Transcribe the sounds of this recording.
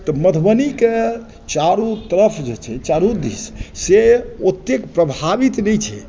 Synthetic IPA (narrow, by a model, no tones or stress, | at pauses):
t̪ɔməd̪ʱbənike | t͡ʃaɾut̪əɾəpʰd͡ʒet͡ʃʰɛt͡ʃaɾud̪ḭsseot̪ːekpɾəbʱabit̪nɛjt͡ʃʰɛ̰